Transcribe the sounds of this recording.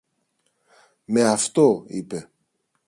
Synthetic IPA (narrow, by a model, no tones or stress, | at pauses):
meɐft̪oḭpe